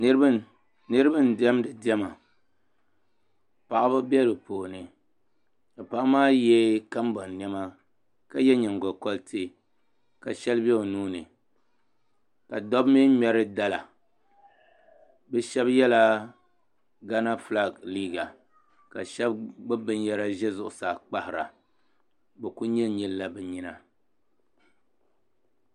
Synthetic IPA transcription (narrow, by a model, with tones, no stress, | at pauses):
nɨ˦ɾb | nɨ˦ɾɨ˦bɨ˦ndɛ˦m˦dɨ˨di˦ɛ˦ma˨ | pa˨ʔba˦bɛ˦lɨ˨poː˨nɨ˨ | ka˨pa˨ʔmaː˦jɛ˦ka˦mbɔ˨nn˨ɛ˦ma˦ | ka˨jɛ˦ɲɛ˨ŋɡɔ˨kɔ˦ltʰi˦ | ka˨ʃɛ˦lbɛ˦o˨nuː˦nɨ˨ | ka˨dɔ˦bmɨ˦ɲɛ˦ɾɨ˦da˦la˨ | bɛ˦ʃɛ˦bjɛ˦la˦ | ɡa˦na˦fla˦˨ɡliː˦ɡa˨ | ka̰˨ʃɛ˦bɡ͡bɨ˦bɨ˦njɛ˦ɾa˦ʒɛ˦zʊ˦ʔʊ˨sa˨k͡pa˦hɪ˨ɾa̰˨ | bɛ˨ku˦ɲɛ˦ɲɛ˦lla˦bɛ˨ɲi˦na˨